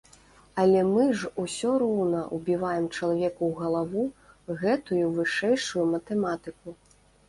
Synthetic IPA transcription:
ɐlʲɛmɨʐusʲɔɾɔwnɐʔubʲivajɛmt͡ʂɐlˠavʲɛkuwɣɐlˠavu | ɣɛt̪ujuvɨʂɛjʂujumɐt̪ɛmat̪ɨku

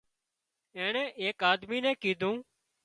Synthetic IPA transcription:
ẽːɳɛ̃ːʔeːkaːd̪miːnɛ̃ːkiːd̪ʱũː

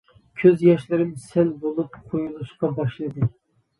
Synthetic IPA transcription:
kʲʰøzjɑʃlɪɾɪmsælbolˠupqʰojulˠɨʃqɑbɑʃlˠɨd̪ɨ

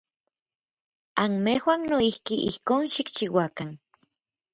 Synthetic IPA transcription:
anmehwannoihkiʔihkoːnʃikt͡ʃiwakan

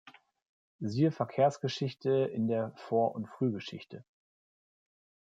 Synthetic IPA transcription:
ziːəfɛɐkʰeːɐsɡ̥əʃɪçtʰəɪ̰ndeːɐfoːɐʔʊntfʁ̥yːɡəʃɪ̰çtʰə

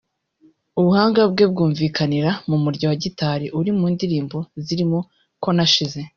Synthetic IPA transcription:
uβuhaːŋɡab̚ɡe̞b̚ɡuːɱviːkʰaniɾamumuɾɟawaɟitaɾiʔuɾimuːndiɾiːmbo̞ziɾimo | ko̞naʃize̞

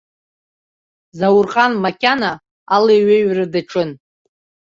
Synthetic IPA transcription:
zawʊrqʼanmakʲʼana | aleɥeɥrɨdɨʈ͡ʂʰɨn

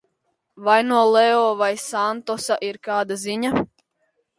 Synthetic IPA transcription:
vajnuɔlˠɛɔːvajsant̪ɔsaʔiɾkaːd̪aziɲa

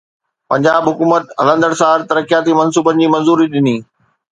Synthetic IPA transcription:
pɐ̃ɲd͡ʑaːbɦʊkuːmət̪ɦɐlə̃nd̪əɽsaːɾt̪ɐɾəkijaːt̪imɐ̃nsuːbənɪ̆d͡ʑiːmɐ̃nzuːɾiɗɪniː

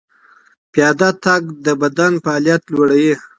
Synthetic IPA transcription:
pjɑd̪at̪aɡd̪əbad̪anpəalijat̪lwoɽaji

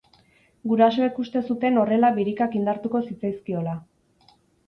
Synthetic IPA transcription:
ɡuɾaso̞ekust̪e̞sut̪e̞no̞re̞laβiɾikakind̪aɾt̪uko̞sit͡sajskio̞la

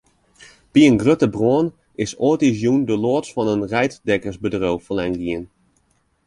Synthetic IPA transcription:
piənɡrøtəbroən | ɪsoətizjundəloətsfɔnənrɛjtdɛkərsbədrowfəlɛŋɡiən

